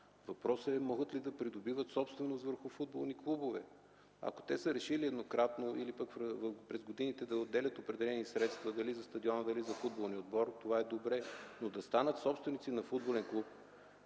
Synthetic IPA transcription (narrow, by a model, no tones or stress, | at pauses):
vɐpɾɔsəɛmɔɡət̪lid̪ɐpɾid̪obivət̪sɔpst̪vɛnost̪vəɾxʊfud̪̚bolˠniklˠubovɛ̰ | a̰ko̥t̪ɛsəɾɛʃiliɛd̪nokɾat̪noʔilipəkvpɾɛzɡod̪init̪ɛd̪ɐod̪ːɛlʲət̪opɾɛd̪ɛlɛnisɾɛt̪st̪vɐd̪ɐlizɐst̪ɐd̪iɔnəd̪ɐlizɐfud̪̚bolˠnʲiod̪bɔɾt̪ovaɛd̪obɾɛnod̪ɐst̪anət̪sɔpst̪vɛnit̪sinɐfud̪bolɛnklˠup̚